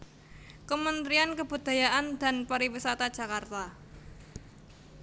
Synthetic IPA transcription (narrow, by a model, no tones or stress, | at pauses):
kəmənt̪ɾiankəb̥ud̪̥a̤jaʔand̪a̤npaɾiwisat̪ad̥ʒ̥a̤kart̪a